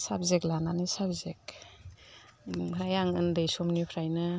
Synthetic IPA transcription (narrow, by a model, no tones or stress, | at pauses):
sabzeklananɯsabzek̚ | pʰɾajaŋɯndɯjsɔmnipʰɾajnɯ